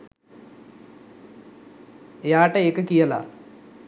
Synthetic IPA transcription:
jaːʈɐeːkːɐkijɐla̰

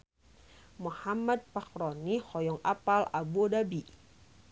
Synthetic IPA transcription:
muhamad̪̚pakɾɔnihɔjɔŋa̰palabuɔdabi

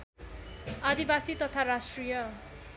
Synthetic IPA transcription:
ad̪ibasit̪ʌt̪ʰaɾasʈrijʌ

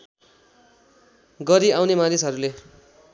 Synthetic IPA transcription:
ɡʌɾiawnemanisɦʌɾule

